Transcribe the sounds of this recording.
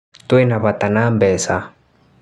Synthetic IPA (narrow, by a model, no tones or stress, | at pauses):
t̪wɛnaβat̪anambɛsa